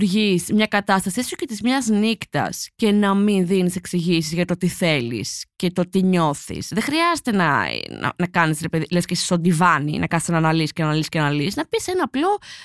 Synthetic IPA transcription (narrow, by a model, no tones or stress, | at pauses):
ɾʝizmɲɐkɐt̪ɐst̪ɐsieso̥cet̪izmɲɐznikt̪ɐ̰sce̞nɐminðinise̞ksiʝisizʝɐt̪o̞t̪iθe̞lḭsce̞t̪o̞t̪iɲo̞θḭsðexɾiɐzet̪e̞nɐ̰nɐ̰nɐkɐnisɾepeðilescesi̥st̪o̞nd̪ivɐnḭnʔɐ̰kɐnsenɐnɐlisi̥cenɐnɐliscenɐlisnɐpisenɐːplo̞